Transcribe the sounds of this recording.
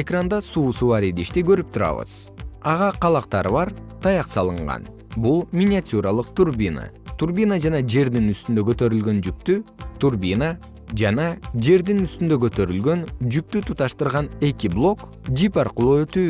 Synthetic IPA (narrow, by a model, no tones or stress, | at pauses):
e̞krand̪ɑsuːsuβɑɾed̪iʃt̪iɡø̞ɾyp̚t̪ʰuɾɑ̰βɯ̰z̥ | ɑʁɑqʰɑlˠɑq̚t̪ɑɾɯβɑɾt̪ʰɑjɑqsɑlˠɯɴʁɑ̰n | bulˠmʲinʲɪatʲuɾɑlˠɯq̚t̪urbʲina̰ | t̪urbʲinad͡ʒɑnɑd͡ʒe̞ɾd̪inyst̪ynd̪ø̞kø̞t̪ø̞ɾylɡø̞nd͡ʒyk̚t̪yt̪ʰurbʲina | d͡ʒɑnɑd͡ʒe̞ɾd̪inyst̪ynd̪ø̞kø̞t̪ø̞ɾylɡø̞nd͡ʒyk̚t̪yt̪ʰut̪ɑʃt̪ɯɾʁɑne̞kiblˠo̞k | d͡ʒipɑrqʊlˠoøt̪yː